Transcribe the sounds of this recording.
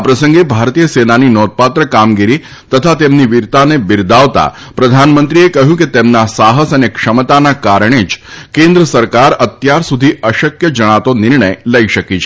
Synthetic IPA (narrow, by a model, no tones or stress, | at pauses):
apɾəsə̃ŋɡebʱaɾt̪ijəsenaninɔt̪̚pat̪ɾəkamɡiɾi | t̪ət̪ʰat̪emniʋiɾt̪anebɪɾd̪aʋt̪a̰ | pɾəd̪ʱanmə̃nt̪ɾiekəɦjũket̪emnasaɦəsənekʂəmət̪anakaɾəɳ̃ed͡ʒkẽnd̪ɾəsəɾkaɾət̪jaɾsud̪ʱiəʃəkjəd͡ʒəɽ̃at̪onɪɾɳəjləiʃəkit͡ʃʰ